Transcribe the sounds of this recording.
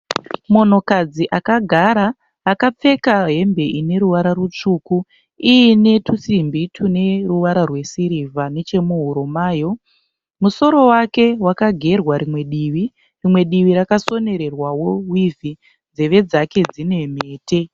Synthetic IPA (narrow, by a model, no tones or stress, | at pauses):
mo̞no̞kad͡ziʔakaɡʱaɾaː | kap͡fe̞kaɦe̞mbe̞ʔine̞ɾuʋaɾarut͡ʂuku | iine̞tʰusimbitʰune̞ruʋaɾarwe̞siɾivane̞t͡ʃe̞muɦuɾomaːjo̞ | muso̞ɾo̞wake̞wakaɡʱe̞rwaɾimwe̞ɗiʋi | rimwe̞ɗiʋiɾakaso̞ne̞ɾe̞rwawo̞wivi | d͡ze̞ʋe̞d͡zake̞d͡zine̞me̞ːtʰe̞